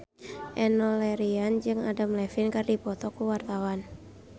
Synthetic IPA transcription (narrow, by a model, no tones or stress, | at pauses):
ʔɛnɔlɛɾiand͡ʒɨŋadamlɛfinkardipɔt̪ɔkuwart̪awan